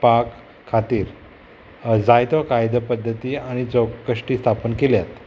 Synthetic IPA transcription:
pakʰː | at̪iːɾ | d͡zajt̪ʋakajd̪əpəd̪ʱːət̪iːaɽ̃id͡zɔɡkəʂʈiːst̪ʰapənkeljat̪

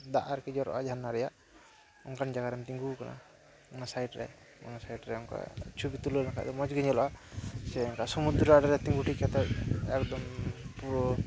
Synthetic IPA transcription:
d̪aʔaɾkid͡ʒɔɾɔ̰ʔad͡ʒʱanːaɾɛjaʔ | ɔŋkand͡ʒaɡaɾɛmt̪iŋɡukana̰ | ɔnasajʈɾɛ̰ | ɔ̰nasajʈɾɛɔŋka̰t͡ʃʰubit̪ulənakʰa̰ʔd̪ɔmɔd͡ʒɡiɲɔlɔʔasɛɔŋkasɔmud̪ɾaɖɾɛt̪iŋɡuʈikat̪ɛɛkd̪ɔmpuɾɔ

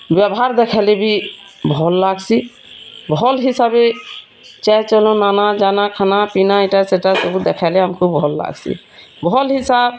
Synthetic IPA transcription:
bjabɔɦaɾd̪ɛkʰalebi | bʱɔlːaɡsi | bʱɔlɦisabe | t͡ʃɛt͡ʃɔlɔ̃nanad͡ʒanakʰanapinaɛʈaseʈasobud̪ɛkʰajlɛamkʰubbʱɔlːa̰ɡsḭ | bʱɔlɦisab̚

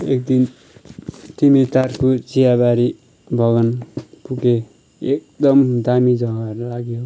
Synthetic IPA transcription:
ḛk̚d̪in | t̪imet̪arkot͡sijabaɾi | bʱʌɡʌnpuke | ek̚d̪ʌmd̪amid͡zʌɡʌʌɾulaɡjo

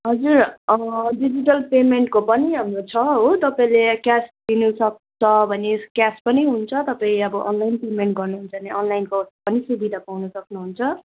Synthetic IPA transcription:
ɦʌd͡zurʌɖid͡ziʈʌlpemeɳʈ̚kopʌniɦamrot͡sʰʌɦot̪ʌpaĩlekjasd̪inusʌk̚d̪ʌbʱʌnekaspʌniɦunt͡sʰʌt̪ʌpaĩʌbʌʔʌ̰nlajnpemeɳʈ̚ɡʌrnuɦunt͡sʰʌneʌnlajnkopʌnisubid̪ʱapawnʌsʌknuɦunt͡sʰʌ

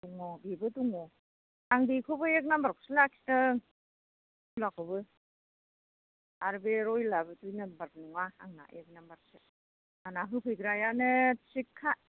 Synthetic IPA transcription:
duŋɔbibɯtuŋɔ | aŋdikʰɯbɯek̬̚nambaɾkʰo̥silak̚si̥ta | ulakʰɔbɯ | aɾbeɾɔjlabɯtujnɯbaɾp̚nuŋaa̰ŋna̰ʔek̚nambaɾsi | anaɦɯkʰɯjɡɾajanɯsikʰːa

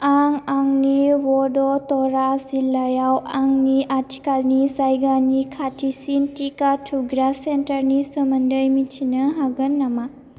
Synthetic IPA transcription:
aŋaŋniwɔdɔtɔɾazilːajawaŋniʔatʰi̥kalnisajɡanikʰatʰisintikatʰuɡɾasentɐɾnisəmɐndəjmitʰinɐɦaɡɐnːama

